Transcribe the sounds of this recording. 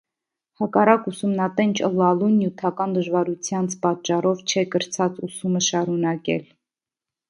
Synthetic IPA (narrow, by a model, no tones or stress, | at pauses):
hɑkɑrɑkusumnɑt̪ɛnt͡ʃʰəlɑlunjut̪ʰɑkɑnd̪əʒvɑɾut͡sʰjɑnt͡sʰpɑtt͡ʃːɑrɔvt͡ʃʰɛkəɾt͡sʰɑt͡susuməʃɑɾunɑkɛ̰l